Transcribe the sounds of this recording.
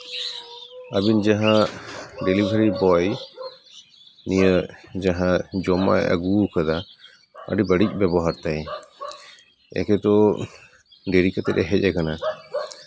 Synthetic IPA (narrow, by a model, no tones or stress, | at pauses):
abind͡ʒaɦã | ɖelibʱəɾibɔj | nijəd͡ʒaɦãd͡ʒɔma̰jə̰ɡukad̪a | ə̰ɖibəɖic̚ˀbɛbɔɦaɾt̪aj | ɛ̰kɛt̪ɔ | ɖeɾikat̪ɛɗɛɦɛc̚ˀɛkana